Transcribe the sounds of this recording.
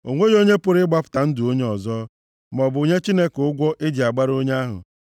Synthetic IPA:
o˨ŋʷe˦jo˦ɲe˦pʊ˨ɾɪ˦ɡ͡ba˦pʊ̥˦ta˨n̩˦du˨o˦ɲe˦ɔ˨zɔ˦ | m˨ɔ˨bʊ˨ɲe˦t͡ʃi˦ne˦ke˨ʊ˦ɡʷɔ˦ʔɪ˦di˨a˨ɡ͡ba˦ɾo˦ɲe˦a˦ɦʊ̰˨

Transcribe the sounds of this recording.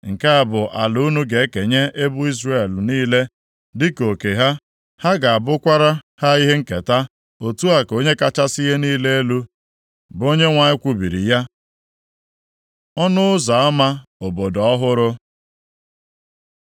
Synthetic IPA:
ŋ̩˨ka˦a˨bʊ˨ʔa˨lu˨˦nu˦ɡe˨e˦ke˨ɲe˦ʔe˦bʊ˦i˦zre˦˨e˨lniː˦le˦ | dɪ˦ko˨ke˨ɦa˦ | ha˦ɡa˨a˨bʊ˦kʷa˦ɾa˦ha˦i˦ɦe˦ŋ̩˦ke˨ta˦ | o˨tu˦a˨ko˦ɲe˦ka˨t͡ʃa˦si˦ɦe˦niː˦le˦e˦lu˦ | bo˦ɲe˦ŋʷa˨ɲɪ˦kʷu˦bi˨ɾḭ˨ja˦ | ɔ˦nʊ˦ʊ˦za˨ɔ˦ma˦o˨bo˨dɔɔ˦ɦʊ˦ɾʊ˦

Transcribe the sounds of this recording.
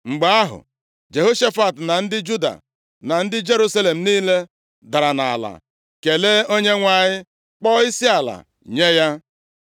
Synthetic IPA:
ŋ͡m̩˨ɡ͡ba˦a˦ɦʊ̰˨ | d͡ʒe˨ɦo˦ʃe˦fa˨tna˨n̩˦dɪ˦d͡ʒu˦da̰˨ | na˨n̩˦dɪ˦d͡ʒe˦ɾu˦sa˦le˨m̩˨niː˦le˦ | da˨ɾa˨na˨a˨la̰˨ | ke˨le˦o˦ɲe˦ŋʷa˨ɲɪ˦ | k͡pɔ˦i˦si˦a˨la̰˨ | ɲe˦ja˦

